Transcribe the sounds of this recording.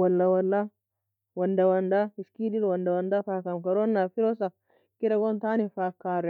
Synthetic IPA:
wɐlːawɐlːa | wɐnd̪ɐwɐnd̪aɪskidilwɐnd̪awɐnd̪afaːkːamkɐɾonːafiɾosa | kiɾɐɡont̪aːnifakːaɾɛ

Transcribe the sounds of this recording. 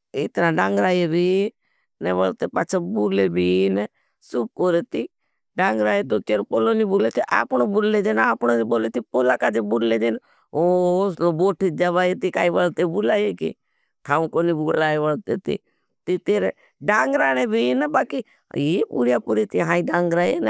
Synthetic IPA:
ɪ̰t̪naɖãːŋɡɾaːjebʱi | nɛʋəlt̪epaːt͡ʃʰabuːlebʱinɛ | suːp̚koːɾet̪i | ɖãːŋɡɾaːjet̪ot͡ʃ̪eːɾpolonibulet̪iʔa̰ːpɳ̃obʊlːed͡ʒenaːpɽoiboːlet̪ipoːlakad͡ʒebʊlled͡ʒeːn | oːsloboːʈʰid͡ʒaʋaːjet̪ikaːiʋəlt̪ebʊlaːjekḭ | t̪ʰaːũkonibuɡlaːeʋəlt̪et̪ḭ | t̪it̪eːɾe | ɖaːŋɡɾaːɽ̃ebʱinəbaːki | epṵːɾjapuɾet̪iɦãːiɖaːŋɡɾaːjen

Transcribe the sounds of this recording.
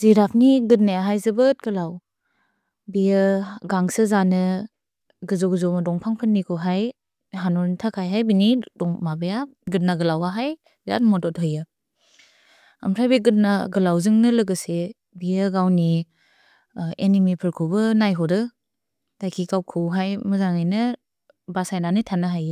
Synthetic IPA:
ziɾapʰniɡɯt̚najaɦajzɯbɯt̚ɡɯlaw | bijəɡaŋsɯzanɯ | ɡɯzɔɡɯzɔmɯdɔŋpʰaŋpʰɯnːikʰuɦaj | ɦanɔntʰakʰajɦajbinidɔŋmabejaɡɯt̚naɡɯlawaɦaj | ɾa̰t̚mɔdɔt̚ɦɯjɯ | ɐ̰mɾʰajbeɡɯt̚naɡɯlawzɯŋnɯlɯɡɯse | bijɯɡawni | enimipʰɯɾkʰubɯnajɦɔdɯ | dajkʰikawkʰɯwɦajmɯzaŋajnɯ | basajnanɯtʰanɯɦajɯ

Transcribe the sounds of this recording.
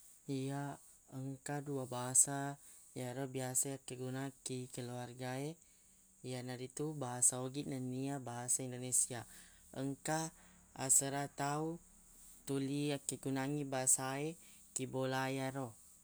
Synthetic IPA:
ija | əŋkaduabaɦasa | jaɾobiasaakːəɡunakikəluarɡae | ijanadit̪ubaɦasaoɡinaniabaɦasaindonesia | əŋka | a̰səɾat̪au | t̪uliakːeɡunaŋibaɦasae | kibolajaɾo

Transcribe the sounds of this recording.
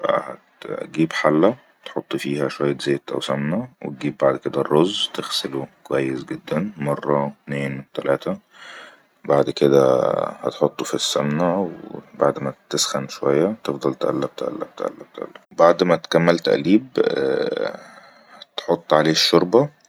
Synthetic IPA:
bʔæ̰hæ̰t̪ɡiːbħalːæ | t̪ħot̪ˤːfiːhæʃowæjːæt̪zeːt̪ʔæ̰wsæmnæwḛt̪̚ɡiːb̚ːaʕd̪ked̪ærˤːozt̪exselokowæjːesɡed̪ːænmɑrˤːɑt̪neːnwet̪ælæːt̪æ | baʕd̪ked̪æ̰hæ̰t̪ħot̪ˤːofisːæmnæwebaʕd̪mæt̪esxænʃowæjːæt̪efd̪ˤɑlt̪ʔæ̰lːæb̚t̪ʔæ̰lːæb̚t̪ʔæ̰lːæ̰b̚t̪ʔæ̰lːæbaʕd̪mæt̪kæmːælt̪æ̰ʔliːb | hæt̪ħot̪ˤːʕaleːʃːoɾbɑ

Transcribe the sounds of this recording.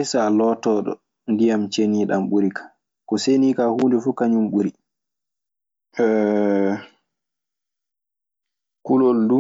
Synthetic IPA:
saːlɔtɔɗɔ̰ | ndijamt͡ʃeniːɗamɓuɾikʰḁ | kɔseniːkahuːndɛfukaɲumɓuɾi | ɛ | kuloldu

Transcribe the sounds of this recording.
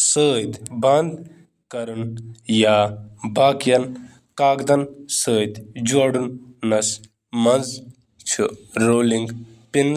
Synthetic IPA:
səːjt̪bɐnd̪ | kɐɾunjaːbaːkjɐn | kaːkd̪ɐnsəːjt̪d͡ʒwɐɽunːɐs | mɐnz | t͡ʃʰṵɾoːliŋɡ | pin

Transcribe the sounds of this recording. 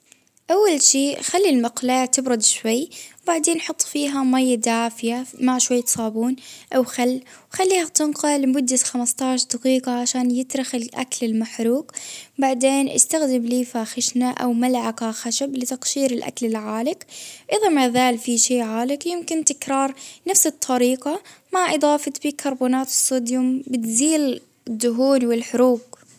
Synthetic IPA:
ʔawːalʃiːxalːilmaqlaːt̪ɪbɾʊd̪ʃwajːwbaʕd̪eːnʔħʊt̪ˤːfiːɦamajːad̪aːfɪjamaʕʃwajːt̪sˤɑːbuːnʔawxalːwxalːiːhat̪ɪnqɑlmʊd̪ːat̪xamast̪ɑʕʃd̪ɑqiːqɑʕaʃaːnjɪt̪ɾɪxɪlʔa̰klɪlmaħɾuːqbaʕd̪eːnʔa̰st̪axd̪ɪmliːfaːxɪʃnaʔa̰wmalʕakaxaʃablɪt̪ɑqʃiːɾɪlʔa̰klɪlʕaːlɪkʔɪðamaʕðaːlfiʃiːʕaːlɪkjɪmkɪnt̪ɪkɾɑːɾˤnafsɨt̪ˤʰːɑɾiːqɑmaʕʔɨd̪ˤɑːfɑt̪bikʰɑɾˤbuːnaːt̪ɪ̥sːuːd̪jʊmbɪt̪ziːl | ɪd̪ːʊɦuːnwɪlħʊɾuːɡ̚

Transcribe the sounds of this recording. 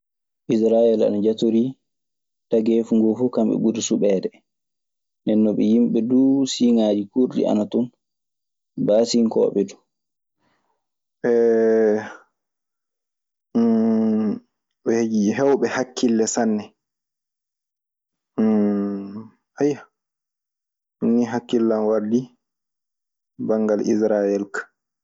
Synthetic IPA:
ʔis̬ɾaɛla̰nad͡ʒatoɾi | taɡefuŋɡofukamɓɛ̰ɓudisuɓɛːdɛ | ndɛnːɔɓɛjimɓɛdusiŋaːd͡ʒikuɾdḭʔa̰natun | baːsiŋkɔ̰ːɓɛdu | ʔɛ | ɛhed͡ʒiɦɛwɓɛhakʰːilːɛsanːɛ | aja | nːiɦakːilːanwaɾdi | baŋɡalʔḭsɾajɛlkḁ

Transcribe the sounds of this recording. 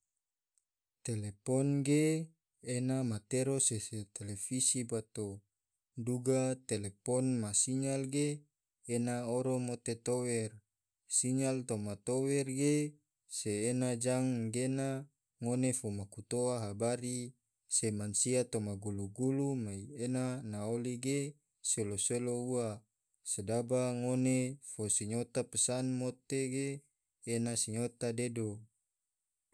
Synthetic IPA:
t̪elepɔnɡeː | namat̪eɾoseset̪elefisibat̪o | duɡat̪elepɔnmasiɲalɡeː | naoɾomot̪et̪owɛr | siɲalt̪omat̪owɛrɡe | seːnad͡ʒaŋɡena | ŋonefomakut̪oaɦabaɾi | semansiat̪omaɡuluɡulumaienanaoliɡe | seloseloua | sedabaŋonefosiɲot̪apəsanmot̪eɡeː | nasiɲot̪adedo

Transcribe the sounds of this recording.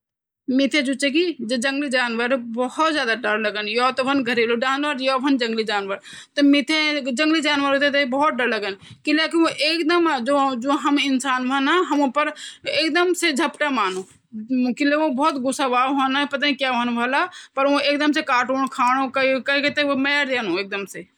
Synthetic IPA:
mit̪ʰẽd͡ʒut͡ʃekid͡ʒed͡ʒə̃ŋɡlid͡ʒaːnʋəɾbɔhɔt̪d͡ʒjaːd̪aɖəɾləɡənjɔt̪ɔbənɡʱəɾelod͡ʒaːnʋəɾjɔbʱənd͡ʒə̃ŋɡlid͡ʒaːnʋəɾ | t̪ɔmit̪ʰẽd͡ʒə̃ŋɡlid͡ʒaːnʋəɾɦot̪ʰet̪̬əibɔɦɔt̪̚ɖəɾləɡənkilekioʔeːkd̪əmad͡ʒod͡ʒõɦɐmɪnsaːnʋʱənaɦɐmũpəɾeːk̚d̪əmsed͡ʒʱɐpʈamaːnũ | kileõbɔːt̪ɡʊsaʋaːɦənapɐt̪̬anikjaʋənʋəlapɐɾõeːk̚d̪əmsekaːʈoːɳ̃kʰaːɽ̃õkkɐiket̪ɐmɛːɾd̪eːnũeːk̚d̪əmse

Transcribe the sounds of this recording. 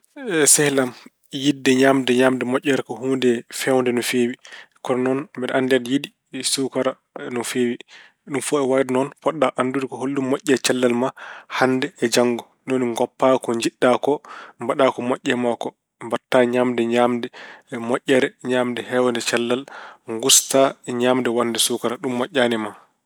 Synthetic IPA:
sɛhlam | jidːɛɲamdɛɲamdɛmɔʔʲːɛɾɛkɔhuːndɛfɛwndɛnɔfewikɔɾɔnɔnbɛɾʔandɛdjidi | sukaɾa | nɔfewi | ɗumfɔɛwaɾnɔnpɔɗːaʔandudikɔɦolːummɔʔʲːɛt͡ʃalːalmahandɛːd͡ʒaŋɡɔ | noniŋɡɔpːakɔɲd͡ʒiɗːakɔmbaɗakɔmɔʔʲːɛmakɔ | mbatːaɲamdɛɲamdɛmɔʔʲːɛɾɛɲamdɛhɛwandɛt͡ʃalːalŋɡustaɲamdɛwandɛsukaɾaɗumːɔʔʲːaːnɛma

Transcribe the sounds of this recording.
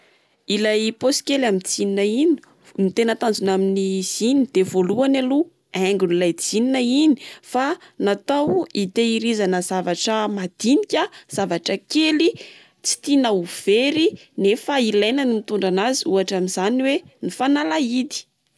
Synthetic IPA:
ilajposi̥kʲelamit͡sininaini̥ | mit̪enət̪and͡zunaminiz̥inid̪̥evoluanalu | ɛŋɡunilajd͡zininaini̥fanat̪awit̪eiɾizanəz̥avaʈ͡ʂəmad̪̥inikʲaz̥avaʈ͡ʂəkeli | t͡si̥t̪inauv̥eɾinefailajnanimit̪uɳɖ͡ʐanaziuaʈ͡ʂaminzaniwe | nifanalaid̪i̥

